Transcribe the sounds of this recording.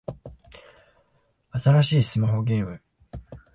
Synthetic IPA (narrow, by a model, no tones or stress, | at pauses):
at̪aɾaɕiːsɨmaɦo̞ɡʲẽɰmɯ̟